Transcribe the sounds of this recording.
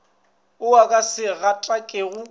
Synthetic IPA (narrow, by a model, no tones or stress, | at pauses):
ʊakʼasɪɣatʼakʼeɣʊ